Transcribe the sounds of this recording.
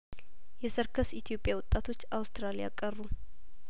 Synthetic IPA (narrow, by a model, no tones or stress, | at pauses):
jɛsəɾkʰəsit̪ʰijo̞pʼjawɔt̪ʼːat̪ʰo̞t͡ʃːawst̪ʰɾalija̰kʼːərːu